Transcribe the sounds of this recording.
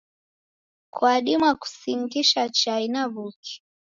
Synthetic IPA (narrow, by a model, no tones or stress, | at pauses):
kwaɗimwaku̥siŋɡiʃat͡ʃainaβuki̥